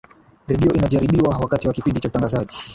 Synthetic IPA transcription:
ɾɛɗiɔʔinaʄaɾiɓiwawakatiwakipindit͡ʃautaŋɡazaʄi

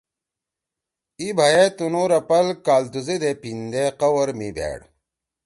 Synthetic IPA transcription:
ibʱajet̪unoːɾɐpɐlkaːlt̪uzed̪epind̪eqɐwɐɾmibʱḛːɽ

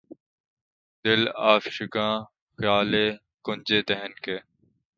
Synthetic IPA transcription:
d̪ɪlaːfʃʊkãː | xjaːleː | kʊnd͡ʒeːd̪ɛɦənkeː

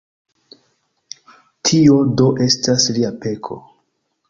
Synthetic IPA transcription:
tʰio̞do̞ʔe̞stasliape̞kʰo̞̰

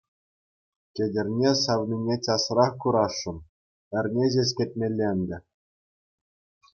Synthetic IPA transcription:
kʲĕdʲɘ̆rʲnʲesɑʋnʲinʲetʲɑsrɑχkuɾɑʂːɤ̆n | ɘ̆rʲnʲeʑʲesʲkʲĕt̪̚ʲmʲelʲːenʲd̪ʲɘ̆

